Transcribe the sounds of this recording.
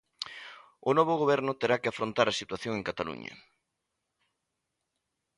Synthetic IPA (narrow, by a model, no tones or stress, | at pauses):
ʊnɔβʊɣ̞oβ̞ɛɾnʊt̪eɾakeafɾont̪aɾasit̪waθjoŋeŋkat̪alṵɲɐ̰